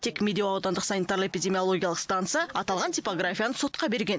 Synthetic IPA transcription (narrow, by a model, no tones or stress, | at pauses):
t̪ʰe̞kmʲe̞d̪ʲeoɑwd̪ɑnd̪əqsɑnit̪aɾlˠəepʲijd̪ʲe̞mʲijolˠo̞ɡʲijalˠəqst̪ant̪sɨjɑɑt̪ɑlˠʁɑnt̪ʲijpo̞ɡrafʲijanəso̞t̪qɑbe̞ɾɡʲe̞n